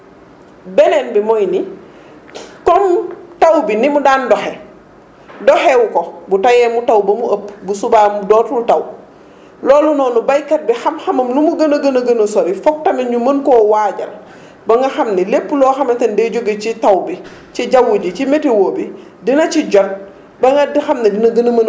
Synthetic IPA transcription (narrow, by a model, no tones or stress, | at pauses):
bɛnɛːnbimɔjni | kɔmtawbinimudaːndɔxɛ | dɔhɛwukɔbutajɛːmutawbɐmuʔəpːbusubamdɔːtultɐw | lɔːlunɔːnubɐjkɐt̚bixɐmxɐmɐmlumuɡɐnɐɡɐnɐɡɐnɐsɔɾifɔk̚tɐmɐɲumɐnkɔːwaːɟɐ̰l | bɐŋɡɐxɐmnilepːulɔːxɐmɐtɐndɛɟoɡecitɐwbi | ciɟawːuɟicimɛtiwoːbi | dinɐciɟɔt̚ | bɐŋɡɐdixɐmnidinɐɡɐnɐmɐn